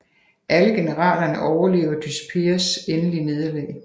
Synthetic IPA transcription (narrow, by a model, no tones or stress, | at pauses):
ʔæləɡ̥e̝nəʁɑ̰̈ːlɐnəʔɒʊɐle̝̰ːʊɐd̥yspʰe̝ːɐsenəline̝ðˠɐlɛ̰ːɪ